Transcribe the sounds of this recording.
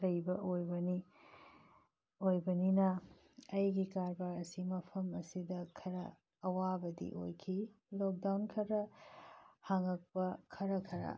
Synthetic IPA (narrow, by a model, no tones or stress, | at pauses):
lɐjbɐʔojbɐni | ojbɐninɐ | ɐjɡikaɾbaɾɐsimɐpʰɐmɐsidɐkʰɐɾɐ̰ː | wabɐdḭʔo̰jkʰi | lok̚dawnkʰɐɾɐ | haŋɐk̚pɐkʰɐɾɐkʰɐɾɐ̰